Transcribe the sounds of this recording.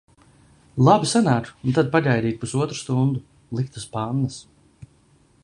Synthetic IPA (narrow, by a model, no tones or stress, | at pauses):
lˠabisanaːt̪unt̪ad̪̚paʎajd̪iːt̪̚pusuɔt̪ɾust̪und̪u | lˠik̚t̪aspanːas